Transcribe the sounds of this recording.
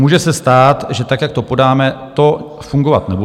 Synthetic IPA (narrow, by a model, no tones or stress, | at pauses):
uːʒɛsɛst̪aːt̪ʒɛt̪akjak̚t̪o̞po̞daːmɛt̪o̞ | fuŋɡovat̪nɛbu